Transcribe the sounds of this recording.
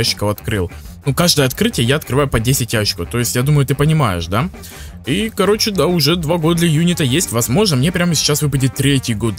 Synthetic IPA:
aɕːɪ̥kəfɐt̪kɾɨlˠnukaʐd̪əjəɐt̪kɾɨtʲɪjəjaɐt̪̚kɾɨvajʊpɐdʲesʲɪtʲjaɕːɪ̥kəft̪o̞jɪsʲtʲjad̪uməjʊt̪ɨpənʲɪmajɪ̰ʂd̪a | ikɐɾo̞t͡ɕɪd̪aʊʐɛd̪vaɡo̞d̪əd̪lʲɐjunʲɪt̪əjesʲtʲvɐzmo̞ʐnəmnʲe̞pɾʲaməsʲɪ̥t͡ɕːasvɨpədʲɪt̪ːɾʲetʲɪjɡo̞d̪

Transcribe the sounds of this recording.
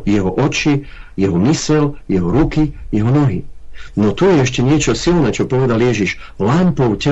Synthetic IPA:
jɛɦɔʔɔt͡ʃijɛɦɔmisɛljɛɦɔɾukijɛɦɔnɔɦinɔt̪ujɛɛʃ̬cɛɲɪɛt͡ʃɔsilnɛːt͡ʃɔpɔʋɛd̪aljɛʒiʃ | lampɔʊcɛ

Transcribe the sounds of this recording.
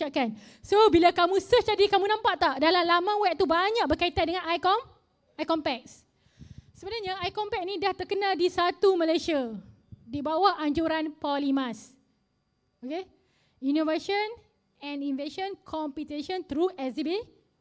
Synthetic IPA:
aʔkan | sobilakamũsəhd͡ʒadikamũnãmpaʔt̪aʔdalalamãwɛp̚t̪ubaɲãk̚bəkait̪andəŋãnajkɔm | ajkɔmpɛk̚s | səbənaɲaajkɔmpɛk̚nĩdaht̪ərkənãdisat̪umə̃lajsia | dibawahʔaɲd͡ʒuɾanpɔlimãs | oke | inovaʃɔn | ɛ̃ninveʃɔnkʰɔmpit̪eʃɔnt̪ɾuɛsibe

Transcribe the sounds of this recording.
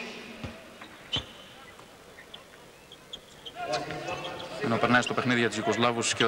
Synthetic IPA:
eno̞peɾnɐist̪o̞pe̞xniðiʝɐt̪izʝiko̞zlɐvussce

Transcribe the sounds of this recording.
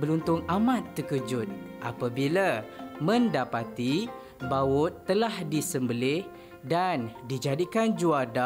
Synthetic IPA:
bəlunt̪ʊŋamãt̪ːəkəd͡ʒʊt̪̚ʔa̰pabilamə̃ndapat̪i | bawʊt̪ːəlahdisəmbəlɪh | dandid͡ʒadikand͡ʒuada

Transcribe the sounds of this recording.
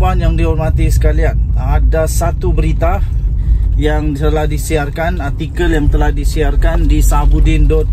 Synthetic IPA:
anjaŋdiɦɔrmat̪isə̥kalianadasat̪ubəɾit̪a | jaŋt̪əlahdisiarkanart̪ikəljaŋt̪əlahdisiarkandisabudindɔt̪̚

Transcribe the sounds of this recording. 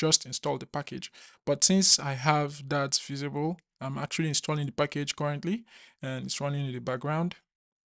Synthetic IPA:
d͡ʒʌstɪ̃nstɔlˠdðəpakɪ̰d͡ʒb̥ʌtsɪ̃nsaɪəvdatsv̥izɪbəlˠ | ãɪ̃mak̚t͡ʃul̩ˠiɪ̃nstʰɔlˠɪ̃ŋðəpaked͡ʒ̥kʌɹə̃ntˡliɨ̃nsɹʌnɪ̃ŋɨ̃ðəbak̚ɡ̥ɹãʊ̃nd̥

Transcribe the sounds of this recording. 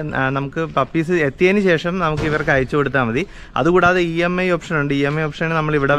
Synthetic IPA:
nɐmukːɨpɐpːiːsɨet̪ːijɐnuɕe̞ːʂɐmnɐmukːɨiʋɐrkɐjit͡ɕːukoɽut̪ːaːmːɐði | ɐ̰ðukuːɽaːðɨiːemːɐjopʂɐnuɳɖɨiːemːɐjopʂɐnnnɐmːɐɭiʋiɽe

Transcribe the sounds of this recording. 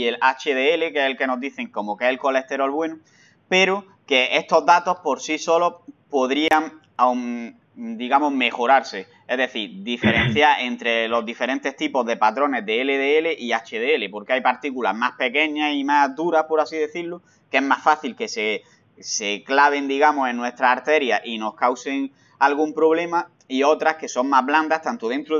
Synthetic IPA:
elat͡ʃeðeele̞keselke̞no̞zðiθe̞ŋko̞mokeselko̞le̞ht̪e̞ɾo̞lβwe̞nu | pe̞ɾo | ke̞e̞st̪o̞ɦðat̪o̞hpo̞ɾsiso̞lo̞po̞ðɾiaŋ | awŋ | d̪iɣamo̞ɦme̞xo̞ɾaɾse̞ | e̞zðe̞θiɾd̪ife̞ɾẽ̞n̟θjaɾe̞nt̪ɾe̞lo̞zðife̞ɾẽ̞nt̪e̞ht̪ipo̞ɦðe̞pat̪ɾo̞ne̞ɦðeːle̞ðeele̞ʔiat͡ʃeðeele̞po̞ɾkeajpaɾt̪ikula̰ɦmahpe̞ke̞ɲasimazd̪uɾahpo̞ɾasiðe̞θiɾlu | ke̞ɦmasfaθilke̞se | se̞klaβ̞e̞nd̪iɣamosẽ̞nːwe̞st̪ɾaːɾt̪e̞ɾjaʔino̞hkawse̞ŋ | alɣ̞umpɾo̞βle̞ma | io̞t̪ɾahke̞so̞ŋmaɦβland̪aht̪ant̪oð̞e̞nt̪ɾo

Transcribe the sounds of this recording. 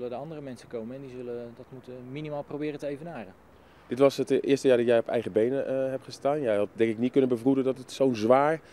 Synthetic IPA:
lədəɑndərəmɛnsəkowməɛndizɵlədɔtmutəminimaːlˠprowbɪːrətəejvənaːrə | d̥ɪtʋɔsətɪəstəjaːdɔtjɛjɔpɛ̰jɣəbejnəɦɛp̚χəstaːnjɛjhɑt̚dɛŋkɪknitkønənbəvrudədɔtətsownzʋaːɹ

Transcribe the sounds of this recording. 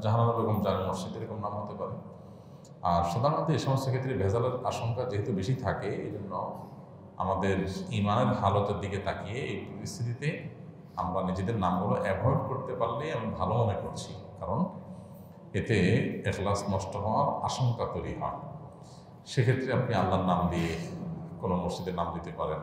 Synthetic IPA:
d͡ʑaɦanamaɾɾɔkomd͡ʑanimoɾʃid̪eɾɔkomnamɦot̪epaɾe | aɾʃɔd̪ʱaɾmad̪ʱeeʃɔmost̪akʰet̪ːɾebʱezaleɾaʃoŋkad͡ʑeɦet̪ubeʃit̪ʰakeḛd͡ʑonːo | a̰mad̪eɾimaneɾɦalot̪eɾd̪iket̪ʰakijeejpoɾist̪ʰit̪it̪e | a̰mɾanid͡ʑed̪eɾnamɡuloʔɛbʱɔjɖkoɾt̪epaɾliamibʱalomonekoɾt͡ɕʰḭkaɾon | et̪eexlasnɔʃtoɦoaɾaʃoŋkat̪ojɾieɦɔ̰e | ʃekʰet̪ːɾeapnialːaɾnamd̪iekonomoɾt͡ɕid̪eɾnamd̪it̪epaɾen

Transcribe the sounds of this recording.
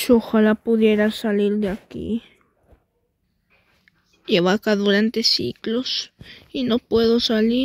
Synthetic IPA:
ʃoxalapʊðjeɾasaliɾd̪eakḭ | eβakaðuɾant̪esḭklosinopweðosali

